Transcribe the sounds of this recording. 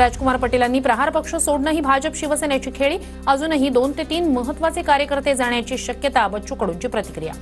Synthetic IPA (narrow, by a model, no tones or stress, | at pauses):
ɾad͡ʑkumaɾpəʈilanːiːpɾəɦaɾpəkʂəsoɽnəɦiːbʱad͡ʑəpɕiʋəsenjat͡ɕiːkʰeɭiː | əd͡zuːnəɦiːd̪ont̪et̪iːnməɦət̪ːʋat͡sekaɾjəkəɾt̪ed͡zaɳjat͡ɕiːɕəkjət̪abətt͡ɕukəɽuɲt͡ɕiːpɾət̪i̥kɾija̰